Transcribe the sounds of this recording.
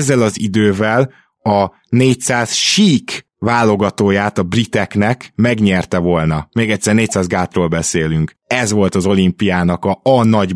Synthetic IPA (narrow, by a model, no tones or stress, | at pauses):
zːɛlɒzid̪øːvɛl | ɒ | neːcsaːzʃiːk | vaːlːo̞ɡɒt̪oːjaːt̪ɒbrit̪ɛknɛkmɛɡɲɛrt̪ɛvo̞lnɒmeːɡɛctʲsɛrneːc̚saːzɡaːt̪roːlbɛseːlyŋk | ɛzʋo̞lt̪ɒzo̞limpijaːnɒkɒɒnɒɟ